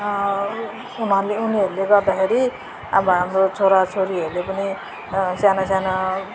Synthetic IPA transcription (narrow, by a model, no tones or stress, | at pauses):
unʌɾuleuniʌɾuleɡʌrd̪akʰeɾi | abʌɦamrot͡sʰoɾat͡sʰoɾiɦʌɾulepʌni | sjanasjana